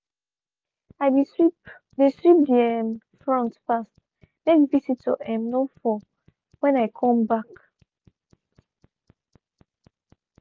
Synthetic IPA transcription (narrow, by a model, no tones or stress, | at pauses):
aɪisip | desɹip̚diɛm | fɹɔ̃ntfast | mekvisitɔ̰ɛ̃mnofɔ | wɛ̃naɪkʰɔ̃mbak